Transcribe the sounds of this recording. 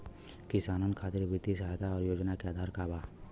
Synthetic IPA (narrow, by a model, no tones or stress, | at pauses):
kɪsaːnənkʰaːt̪ɪɾʋɪd̪isɦajt̪ʰaɔːɾjoːd͡ʒnakeaːd̪ʱaːɾkaːbaː